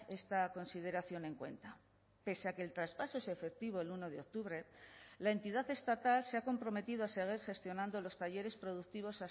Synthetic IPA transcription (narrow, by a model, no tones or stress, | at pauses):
e̞st̪ako̞nsið̞e̞ɾaθjo̞nẽ̞ŋkwe̞̰nt̪a | pe̞seake̞ːlt̪ɾaspaso̞esefe̞k̚t̪iβo̞eluno̞ðeo̞k̚t̪uβɾe̞lae̞nt̪iðaθe̞st̪at̪alseako̞mpɾo̞me̞t̪iðoase̞ɣ̞iɾxe̞st̪jo̞nãnd̪o̞lo̞st̪aʝe̞ɾe̞spɾo̞ðuk̚t̪iβ̞o̞sa